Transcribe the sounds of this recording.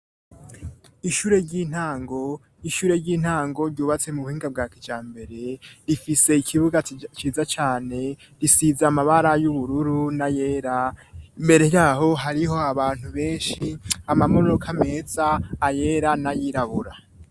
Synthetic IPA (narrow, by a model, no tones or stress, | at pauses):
iʃuːɾe̞ɾɟiːn̥haːŋɡo̞ | iʃuːɾe̞ɾɟiːn̥haːŋɡo̞ɾɟuːβat͡se̞muβuhiːŋɡab̚ɡaːkid͡ʒaːmbe̞ɾe̞ɾifise̞ikʰiβuɡat͡ʃiːzat͡ʃaːne̞ | ɾisizaːmaβaɾajuβuɾuɾunaje̞ːɾaimbe̞ɾe̞hjaːɦo̞ɦaɾiɦo̞aβaːn̥huβe̞ːnʃiamamoɾookʰame̞ːz̥aːje̞ːɾanajiɾaβuɾa